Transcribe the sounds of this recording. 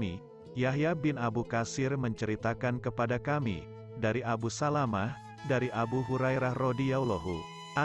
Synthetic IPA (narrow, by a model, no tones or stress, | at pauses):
i | jaɦjabɪnabukasɪrməɲt͡ʃəɾit̪akankəpadakamḭ | daɾiʔabusalamah | daɾiʔabuɦuɾajɾahrodijawloɦṵ | a